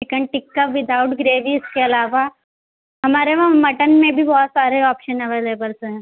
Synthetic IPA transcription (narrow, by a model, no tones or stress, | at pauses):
ɪkəɳʈɪkːapʋɪd̪ʱaʊʈɡɾeːʋiɪskeɐlaːʋa | ɦɐmaːɾemɐʈənmẽbʱibɔːt̪saːɾeɔːpʃənɐʋeːleːbəlsɦɛ̃ː